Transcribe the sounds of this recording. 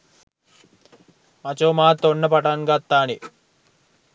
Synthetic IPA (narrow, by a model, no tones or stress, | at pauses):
mɐt͡ʃoːmaːt̪ːonːɐpɐʈɐŋɡɐt̪ːaːni